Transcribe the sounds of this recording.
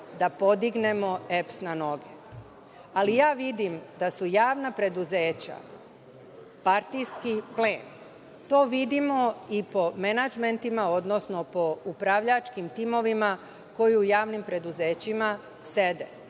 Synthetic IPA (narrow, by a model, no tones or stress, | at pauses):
d̪apo̞d̪iɡne̞mo̞epsnano̞ɡḛ | alijaːʋid̪imd̪asujaːʋnapɾe̞d̪uzeːt͡ɕa̰ | paɾt̪iskipleːn | t̪o̞ːʋid̪imo̞ipo̞menad͡ʒment̪imao̞d̪nosno̞po̞upɾaʋʎat͡ʃkimt̪imo̞ʋima | ko̞juujaːʋnimpɾe̞d̪uze̞ːt͡ɕima | sed̪e